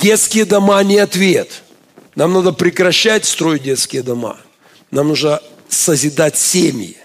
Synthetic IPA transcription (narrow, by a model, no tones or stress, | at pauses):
dʲet̪skʲɪjəd̪ɐmanʲɪɐt̪vʲet̪ | namnad̪əpɾʲɪkɾɐɕːætʲst̪ɾo̞jɪdʲet̪skʲɪjəd̪ɐma̰ | namnuʐnə | səzʲɪd̪atʲsʲem̰ʲjɪ̰